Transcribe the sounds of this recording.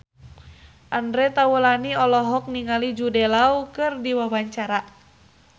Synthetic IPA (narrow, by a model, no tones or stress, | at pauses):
ʔandɾɛt̪awulaniɔlɔɦɔk̚niŋalid͡ʒudɛlaukɨrdiwawaɲt͡ʃaɾa